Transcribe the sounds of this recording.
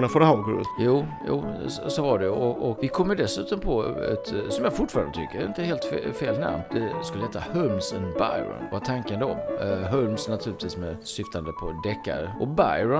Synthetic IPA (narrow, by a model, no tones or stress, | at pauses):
nafoːd̪ɾəhɑːɡəɾ̰juːjṵːssɔvaɖɛɔʔɔkvɪkʰɔmːjʉd̪ɛsʉ̟ːt̪ɔmpʰɔɛ̰t̪sɔmjafʊʈːfɑɾand̪ət̪ʰʏ̰kːəɾɪnt̪əɛheːlt̪ffeːlna̰mnd̪̥ɛskɵləhɛːt̪ʰːahɵlmsɛnba̰jɾɔ̰nvat̪ʰaŋkənd̪ɔɦɵlmsnat̪ʰʉ̟ɾlɪt̪viːsmɛsʏft̪ʰand̪əpʰɔd̪ɛkːa̰ɾəʔɔbajɾɔ